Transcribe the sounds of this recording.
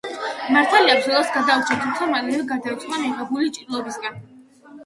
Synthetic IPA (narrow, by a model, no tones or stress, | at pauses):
maɾt̪ʰaliabzɔlˠasɡad̪aut͡ʃʰɛat̪ʰumt̪sʰamalɛɡaɾd̪ait̪sʼχanɛʁabulit͡ʃʼiɾlˠɔbisɡan